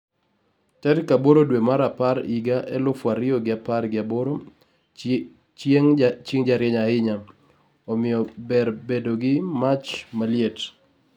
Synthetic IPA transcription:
tɛɾkaboɾodwemaɾapaɾiɡaʔɛ̰lʊfwaɾɪoɡɪaparɡɪaboɾo | ŋt͡ʃeŋd͡ʒaɾjɛɲaɪɲa | ɔmɪjɔbɛɾbedoɡɪmat͡ʃmaljet

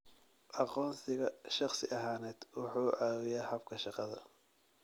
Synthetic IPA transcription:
ʔɑqɔːnsɪɣɐʃɑχsɪʔɐɦaːnɛːd̪̥wɑħuːʕaːwɪjɛhɐb̚kʰɐʃɑqɑðɐ̰

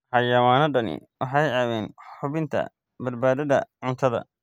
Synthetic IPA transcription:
ħɑjɐwaːnɔɖɐnɪ̰wʔɑħɑjaːwɛːnħħʊβɪnt̪ʰɐ̰ | bɐd̪baːðɐðɐ̰ʕʊnt̪ʰɐðɐ̰

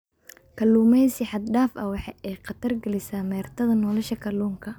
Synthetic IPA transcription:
kʰɐlːuːmɛjsɪħɑd̪ɖaːfɐwɑħɑʔɛjqɑt̪ʰɐrɡɐlɪsaːmɛːrt̪ʰɐðɐnɔːlɔʃɐkʰɐluːŋkʰɐ

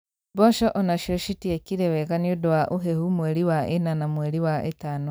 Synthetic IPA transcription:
bɔʃɔʔɔnaʃoʃitiekiɾewekaniodaʔuɦehumweɾiwaʔenanamweɾiwaʔḛtaːno

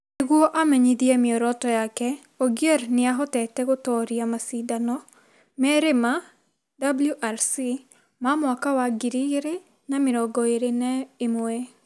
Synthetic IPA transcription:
neɣwɔʔamɛɲiðiɛmeɔɾɔtɔjakɛ | ɔɡjɛɾneaɦɔtɛtɛɣotɔːɾiamasidanɔ | mɛɾema | dabuljuʔaɾsi | mamwakawaɡiɾiɣeɾe | nameɾɔɡɔeɾenɛemwɛ

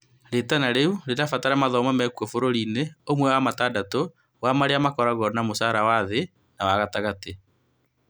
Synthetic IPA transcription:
ɾetanaɾeuɾedafataɾamaðɔmamɛkwɔfoɾoɾineomwɛwamatadato | wamaɾeamakɔɾaɣɔnamosaɾawaðe | nawaɣataɣate

